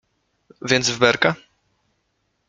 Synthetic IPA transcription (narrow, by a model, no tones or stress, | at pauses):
vʲjɛnd̪zvbɛɾka